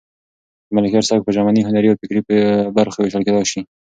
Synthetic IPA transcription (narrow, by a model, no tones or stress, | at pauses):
d̪malɪkaɾsɑk̚pəʒamaniɦʊnaɾiawfɪkɾibaɾxaweʃaɾked̪ɑʃi